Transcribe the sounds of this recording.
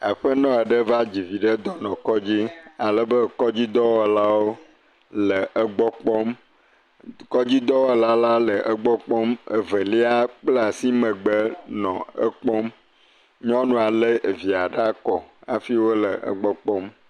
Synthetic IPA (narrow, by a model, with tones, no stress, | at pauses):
e˨ɸə˦nɔ̃˦e˨ɖə˦va˦d͡ʑi˨vi˨ɖə˦d̪ɔ˦nɔ̃˨kɔ˦d͡ʑi˦a˨lə˨bə˦kɔ˦d͡ʑi˦d̪ɔ˦wɔ˨la˦wo˦ | lə˨ʔə˦ɡ͡bɔ˦k͡pɔ˦m | kɔ˦d͡ʑi˦d̪ɔ˦we˨la˦la˦lə˨ʔə˦ɡ͡bɔ˦k͡pɔ˦mə˨və˨li˦a˦k͡ple˦a˨si˦mə̃˨ɡ͡bə˦nɔ̃˨ə̰˦k͡pɔ˦m | ɲɔ̃˦nũ˨a˨lə˦˨vi˨a˨ɖa˦kɔ˨a̰˨fi˦wo˦lə˨ʔə̰˦ɡ͡bɔ˦k͡pɔ˦m